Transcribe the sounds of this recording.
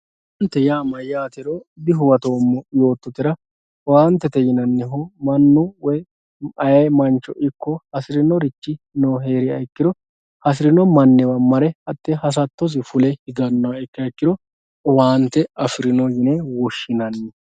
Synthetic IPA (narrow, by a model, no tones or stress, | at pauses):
wɐnt̪ːɛjaːmɐjaːt̪ɛɾoːd̪ɪɦʊwɐt̪o̞ːmːɔjo̞ːt̪ːɔt̪ɪɾɐ | waːnt̪ːɛt̪ɛjɪnɐnːɛɦɔmɐnːʊwɔj | ɐjɐjmɐnt͡ʃːɔʔɪkːɔhɐsɪɾɪnɔɾɪt͡ʃːɪ | noːɦe̞ːɾɪɐjkːɪd̪ɔ | hɐs̬ɪɾɪnɔmɐnːɛwɐmɐɾɛhɐt̪ʼːɛhɐs̬ɐt̪ːɔs̬ɪfʊlɛhɪɡɐnːɐwɐɛkːɪɐjkːɪd̪ɔ | waːnt̪ːɛɐfɪɾɪnɔjɪnewɔʃːɪnɐnːɛ